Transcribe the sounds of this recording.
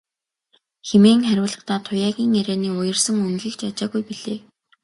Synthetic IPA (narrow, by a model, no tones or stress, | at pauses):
xemeːŋχæɾʲʊːɮə̆χt̪aːt̪ʰʊjaːɣʲiːŋeɾæːniːʊjɞ̆rsə̆ŋɵŋɣĭkt͡ɕat͡ɕaːɣujpiɮeː